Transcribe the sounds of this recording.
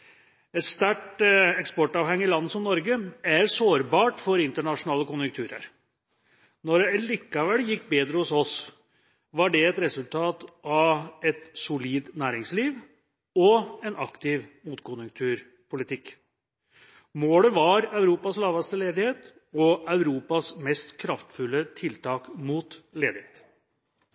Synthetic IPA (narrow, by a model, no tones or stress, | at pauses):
ɛt̪st̪æʈɛkspɔʈɑʋhɛŋːəɪlɑnːəsɔmnɔɾɡəæɾsoːɾbɑːʈfɔɾɪnt̪əɳɑʂʊnɑːləkʊnjʉŋkt̪ʰʉːɾə̰ɾ | nɔɾɛlikːɑʋɛlːjɪkːbeːd̪ɾəhʊsɔs | ʋɑɖɛɛt̪ɾɛsʉlt̪ʰɑːt̪ʔɑʋɛt̪sʊliːd̪næːɾɪŋsliːʋ | ɔɛnʔɑkt̪ɪʋmuːt̪kʰʊnjʉŋkt̪ʰʉːɾ | pʰʊlɪt̪ʰɪkː | moːləʋɑɾɑʉɾuːpɑslɑːʋɑst̪əleːd̪ɪheːt̪ | ɔœʉɾuːpɑsmɛst̪kʰɾɑft̪fʉlːət̪ʰɪlt̪ʰɑːkmuːt̪leːd̪ɪheːt̪